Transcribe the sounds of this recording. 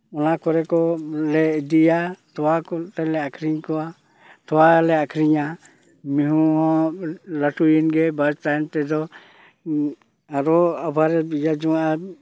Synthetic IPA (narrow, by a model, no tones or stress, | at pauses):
ɔnakɔɾɛkɔlɛd̪ijat̪ɔwakɔt̪alɛakʰɾiɲkɔwa | t̪ɔwalɛakʰɾiɲa | miɦuɦɔ̃laʈujinɡɛbad͡ʒt̪ajnt̪ɛd̪ɔ | aɾɔabʱaɾɛbijad͡ʒɔŋaʔa